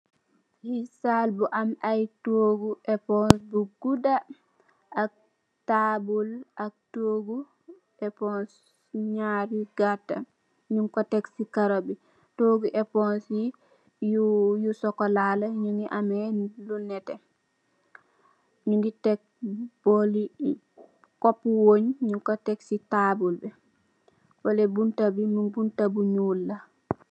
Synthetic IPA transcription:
hisalbuʔamajtoːɡuʔɛpɔnsbuɡuda | ʔːk̚ | tabulʔak̚toɡu | ɛpɔns | ɲaɾiɡatːa̰ | ɲuŋkɔtɛksikaɾobi | toɡuʔɛpɔnsi | jujusɔkolalaɲuŋɡiʔamɛlunɛte | ɲunɡitek̚b̥oli | kopːuwoɲɲuŋkotɛksitabulbɛ | wolebuntabimubuntabuɲulːa

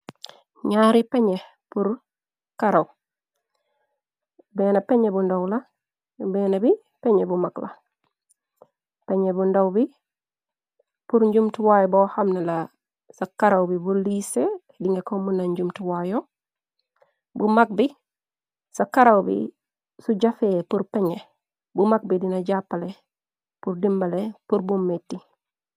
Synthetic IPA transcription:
ɲaːɾipeɲe | puɾ | kaɾaw | beːnapeɲebundawla | beːnabi | peɲebumakla̰ | peɲebundowbi | puɾɲɟumtiwajbohamnela | sakaɾawbibulise | diŋɡekomunaɲɟumtuwajo | bumak̚bi | sakaɾawbḭ | suɟafepuɾpeɲe | bumak̚bidinaɟapːale | puɾdimbalepuɾbumːetːi

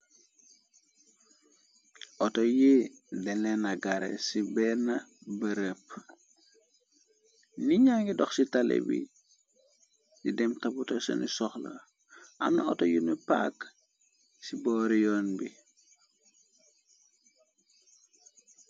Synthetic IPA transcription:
ʔɔtɔjedɛlɛnɐɡaɾɛ̰sibɛnɐbəɾəp | niɲaŋɡidɔxsitalḛbḭ | didɛmtaputɐsɐ̰nisɔxla̰ | ʔa̰mnaɔtɔjunipa̰k | sibɔɾijɔːnbi

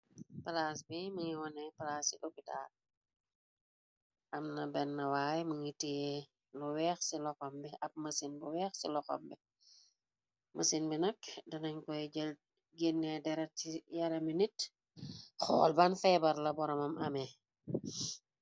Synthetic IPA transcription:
pɐlas̬biməŋiwɔnɛpɐlaːsḭʔopita̰ːd̚ | ʔɐmnɐbɛnːɐwaːjməŋitijɛ | luwɛːxsilɔxɔmbiʔɐp̚mɐsinbuwɛːxsḭlɔxɔ̰mbi | mʔɐsinbinɐkdɐnɐɲkɔj | ɡinːɛdɛɾɐtijɐɾɐminit | xɔ̰ːlbanfɛbɐɾlɐbɔɾɔmɐmʔɐmɛ

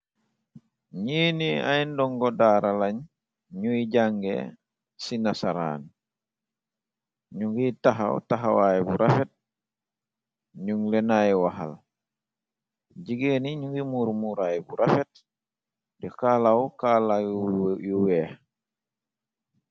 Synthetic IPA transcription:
ɲiːnia̰jndɔŋɡɔdaɾalaɲ | ɲuiɟaŋɡḛ | sinasaɾa̰ːn | ɲuŋɡitaɦa̰w̰taɦawajbuɾʔafet̚ | ɲuŋlenajwaɦa̰l | ɟiɡeniɲuŋɡimuːɾmuɾajbuɾafet̚ | dikalawkalajuweː

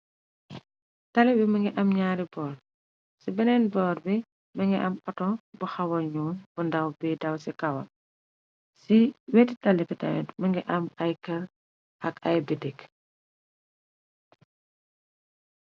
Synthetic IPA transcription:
tɐlibimɐŋɡiʔɐmɲaːɾibɔːr | sibɛnɛnbɔːɾbi | mɐŋɡiʔɐmɔtɔbuxɐwɔɲuːnb̥undɐwbɛdɐwsikɐwɐ̰ | siwɛti̥tɐlibita̰nɛtmɐŋɡiʔɐmɐjkɐl | ʔɐkɐjbidɛk

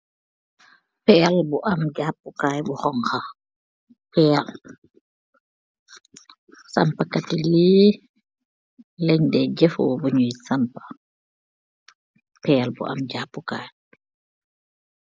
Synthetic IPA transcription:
pɛjalbɔʔamd͡ʒapːukaːjbɔhɔŋha | pɛjal | sampakatili | lɛɲdɛd͡ʒɛfɔ̰buɲujisampḁ | pɛjalbɔ̰ʔa̰md͡ʒapːuka̰ːj

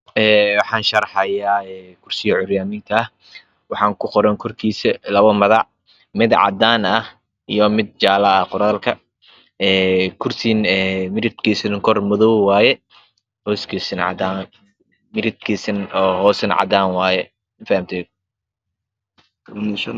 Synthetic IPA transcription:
ɛːwɑħɑːnʃɐɾħɐjaːɛːkʰʊrsɪjɐʕʊɾjaːniːnt̪ʰɐɐh | wɑħɑːŋkʰʊqɔɾɛŋkʰɔrkʰiːsɛlɐβɐmɐðɑʕ | mɪd̪ʕɑ̰d̪aːnɐh | ijɔmɪd̪̚t͡ʃaːlɐɐqʊɾaːlkʰɐ | ɛːkʰʊrsinɛːmɪɾɪd̪kʰiːsɪnŋkʰɔrmɔðɔwwɑːjɛ | hɔːskʰiːsɪnʕɑ̰d̪an | mɪɾɪt̪kʰiːsɐnɔːɦɔːsɐnʕɑ̰d̪aːnwɑːjɛ | ɪfɐhmt̪ʰɛː | kʰɐɐnɐʃɐn

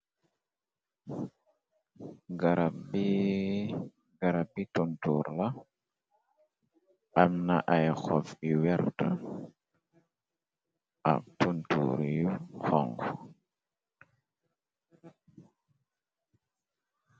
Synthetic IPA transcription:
ɡaɾabi | ɡaɾabituntuɾla | ʔamnaʔajxɔfiwɛɾta | ʔa̰k̚tuntṵɾuxɔŋɡɔ

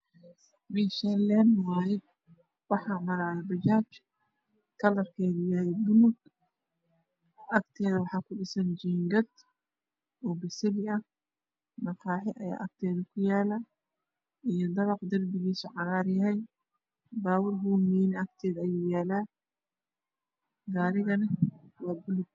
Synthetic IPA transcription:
biʃɛlɛnwaːjɛ | wɑħɑːmɐɾaːðɛbɐt͡ʃaːt͡ʃ | kʰɐlɐrkʰɛːðɪjaːjɛbʊnʊɡ | ʔɐkt̪ʰɛːðɐwɑħɑːkʰʊɖɪsɐnd͡ʒiːŋɡɐd̪ | ʔɔːbɪsɪlɪɐh | mɐkʰaːħɪʔɐja̰ːʔɐk̚t̪ʰɛːðɐkʰʊjaːlaː | ijɞd̪ɐβɑqd̪ɐrbɪɣiːsʊʕɑɾaːɾjɐɛj | baːwɪrɦuːmiːnɪɐk̚t̪ʰɛːðɐjuːjaːlaː | ɡaːɾɪɣɐnɐwɑːbʊlʊɡ̚

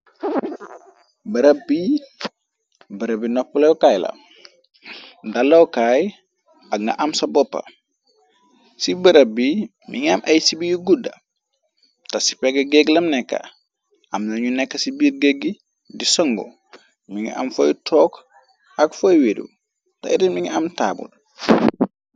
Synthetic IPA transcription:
bɐɾɐbi | bɐɾɐbinɔpːulewkaːjlɐ̰ | dalːɐwkaːj | ɐkŋɡɐ̰ʔamsɐbɔpːa̰ | sibəɾɐbi | miŋamʔɐjsibijuɡudɐ̰ | tasi̥peɡeɡeɡlɐmnɛkːa̰ | ʔamnoɲunɛkːasibiːɾɡeɡi | disɔŋɡo̰ | miŋḭʔa̰mfojtʰɔːk | akfojwedṵ | ta̰idinmiŋiamta̰ːbṵd

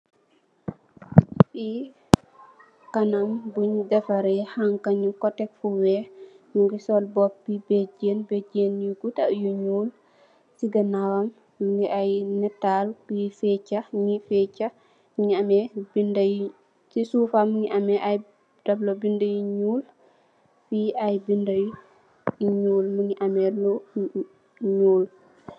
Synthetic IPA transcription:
fi | kanambuɲdɛfaɾɛhaŋkaɲukɔtɛk̚fuwɛ | ɲuŋɡisɔlbɔpːibed͡ʒenbed͡ʒenjuɡutaʔjuɲuːl | siɡanawam | ŋiʔajnɛtːalkifɛt͡ʃːaɲifɛt͡ʃa | ɲiamɛbindaj | sisufamuŋiʔamɛʔaj | dɐblobindajiɲuːl | fiajbindɐju | iɲuːlmuŋiʔamɛlɔ | ɲuːl

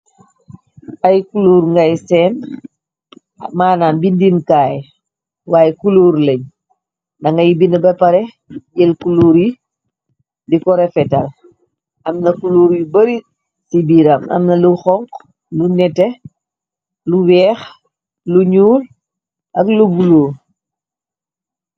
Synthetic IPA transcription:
ʔɐjkuluːɾŋɡajsɛːn | maːnaːnbindimkaːj | waːjɛkuluːɾləɲ | dɐŋɡɐjibinəbɛpɐɾɛ | ɟɛlkuluːɾi | dikɔɾɛfɛtal | ʔɐmnɐkuluːɾjibɐɾi | sibiːɾɐmɐ̰mnɐluxɔŋk | lunɛtɛ | luwɛːx | luɲuːl | ʔɐklubuloː

